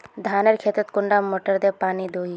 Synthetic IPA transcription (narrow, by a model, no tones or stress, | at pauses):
d̪ʱaːnəɾkʰeːt̪ət̪kʊɳɖamoːʈəɾd̪epaːnid̪oːi